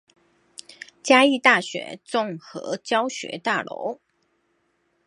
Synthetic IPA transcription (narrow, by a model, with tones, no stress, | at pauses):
t͡ɕja˥i˥˧t̪a˥˩ɕɥɛ̰˧˥˦t͡sʊ˥˩ŋxɤ̰˧˥t͡ɕjɑ˥ʊɕɥɛ̰˧˥t̪a˥˩lo̰˧˥ʊ